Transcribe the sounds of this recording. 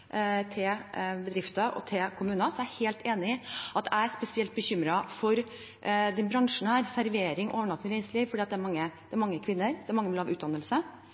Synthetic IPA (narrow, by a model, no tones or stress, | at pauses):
t̪ʰɪbəd̪ɾɪft̪ɑʔɔ̰t̪ʰɪkʰʊmʉːnɑsɔæheːlt̪ʰeːnɪʔɑt̪ʰæ̰ɪæɾspɛsɪɛlt̪̚bəçʏmɾɑfɔɾ | d̪ɛnbɾɑŋʂɳ̩æɾsæɾʋeːɾɪŋʔoːʋəɳɑt̪mɪɾɛɪsliːʋfɔɖiːɑt̪̚d̪ɛæɾmɑŋːəd̪ɛæɾmɑŋːəkʰʋɪnːəɾd̪ɛæɾmɑŋːəʋɪlhɑːʋʉːt̪d̪ɑnːəlsə